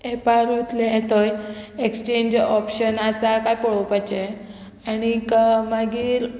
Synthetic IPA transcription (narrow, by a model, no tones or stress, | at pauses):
epaɾɦot̪leɦet̪ojekst͡ɕeɲd͡ʑɔpɕənasakajpəɽopajt͡ɕe | aɽ̃ikmaɡiːɾ